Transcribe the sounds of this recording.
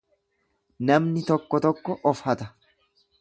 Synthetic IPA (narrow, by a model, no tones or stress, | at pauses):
nɐmnɪt̪ɔkːɔt̪ɔkːɔʔɔfhɐt̪ɐ